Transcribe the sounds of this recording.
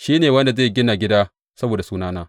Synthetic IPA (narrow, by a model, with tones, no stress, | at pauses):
ʃiː˦neː˨wɐ˦nda˨ze˦˨ɡʲɪ˦na˨ɡʲɪ˦daː˦ | sɐ˦boː˨da˨suː˦naː˦naː˦